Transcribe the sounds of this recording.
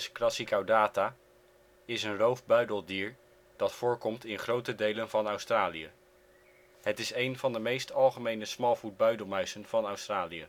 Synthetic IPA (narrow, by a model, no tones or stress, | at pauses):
skrɑsikawdaːta | ɪsənrowvbœɥdəlˠdiːɹ | d̥ɑtfʊːɹkɔmtɪnχrowtədejlənvɑnœwstraːliə | ɦətɪsejnvɑndəmejstɑlˠχəmejnəsmɑlˠvud̚bœɥdəlˠmœɥsənv̥ɑnœwstraːlijə